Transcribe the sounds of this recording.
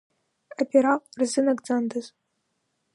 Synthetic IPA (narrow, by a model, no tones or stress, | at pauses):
apʲeɾaqʷʼrzɨnaɡʼd͡zandaz